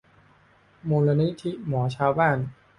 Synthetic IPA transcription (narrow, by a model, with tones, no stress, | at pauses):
moː˧la˧ni˦˥t̪ʰi˦˥mɔː˩˦t͡ɕʰaː˧wbaː˥˩n